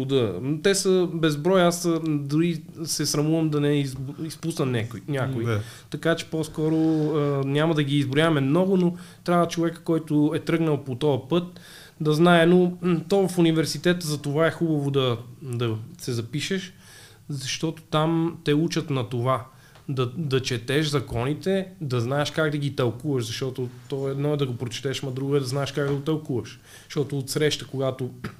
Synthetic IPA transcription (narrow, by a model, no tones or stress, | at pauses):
ʊd̪ət̪ɛsəbɛzbɾɔjasd̪uɾisɛsɾɐmuvɐmd̪ɐnɛizispusnənʲakʊjinʲakʊi | t̪ɐkat͡ʃɛ̥pɔskɔɾoənʲamɐd̪ɐɡiːzbɾʊjavmɛmnɔɡʊnot̪ɾʲavət͡ʃovɛkkɔjt̪ʊɛt̪ɾɤɡnəlˠpot̪ɔɐpɤt̪̚ | d̪ɐznaɛnot̪ɔvɐfunivɛɾsit̪ɛt̪əzɐt̪ovaɛxubɐvod̪ɐd̪ɐsɛzɐpiʃɛʃ | zɐʃt̪ɔt̪o̥t̪amt̪ɛut͡ʃɐt̪nɐt̪ova | d̪ɐd̪ɐt͡ʃɛt̪ɛʃzɐkɔnit̪ɛd̪ɐznaɛʃkaɡd̪ɐɡit̪ɐlˠkuvɐʃzɐʃt̪ɔt̪ʊt̪ɔɛd̪nɔɛd̪ɐɡopɾot͡ʃɛ̥t̪ɛʃmɐd̪ɾuɡoɛd̪ɐznaɛʃkaɡ̚d̪ɐɡot̪ɐlˠkuvɐʃ | zʃt̪ɔt̪oːt̪sɾɛʃt̪əkoɡat̪o